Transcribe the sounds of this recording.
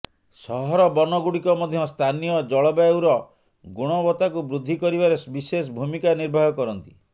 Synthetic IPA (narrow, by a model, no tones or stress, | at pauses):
sɔɦɔɾɔbɔnɔɡuɽikɔmɔd̪ʱjɔst̪ʰanijɔd͡ʒɔɭɔbaewɾɔ | ɡuɽ̃ɔbɔt̪akubɾud̪ʱːikɔɾibaɾebisesɔbʱumikaniɾbʱaɦjɔkɔɾɔnt̪i̥